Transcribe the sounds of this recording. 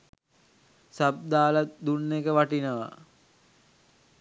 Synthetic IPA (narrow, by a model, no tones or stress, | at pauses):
sab̚d̪aːlad̪unːekəʋaʈinəʋa̰